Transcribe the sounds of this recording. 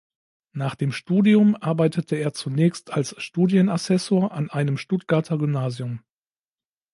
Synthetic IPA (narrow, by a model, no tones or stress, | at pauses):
naːχd̥eːmʃtuːdiʊmʔaɐbaɪtʰətʰəeːɐt͡sunɛːçstʰalsʃtuːdjənasɛsoːɐʔanʔaɪnəmʃtʊtɡ̥aɐtʰɐɡʏmnaːziʊm